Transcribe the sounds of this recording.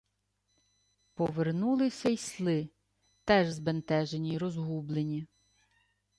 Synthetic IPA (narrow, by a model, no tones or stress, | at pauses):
pɔʋernulˠɪsʲɐjslˠɪ | t̪ɛʒzbent̪ɛʒenʲiɾɔzɦublˠenʲi